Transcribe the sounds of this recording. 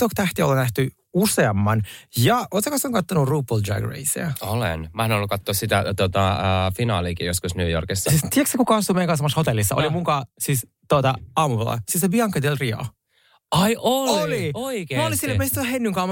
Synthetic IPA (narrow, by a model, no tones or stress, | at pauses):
t̪okt̪æht̪iolːɑnæht̪y | useɑmːɑnjɑʔot̪sekɑsoŋkɑt̪ːonuruːpːold͡ʒæ̰ɡrḛisḛɑolḛnmæenolːukɑt̪ːoːssit̪æt̪ot̪ɑəfinɑ̰ːlikijoskusnyøjo̰rkisːɑsist̪iæksekukɑɑst̪umejŋkɑnsɑmːɑshot̪elːisːɑʔo̰limuŋkɑːsis | t̪ot̪ɑɑːmuʋelɑ̰siːsebiɑŋkːɑt̪elriɑ̰ | ɑiʔololioikemolisilːmest̪oɑhenːyŋkɑːm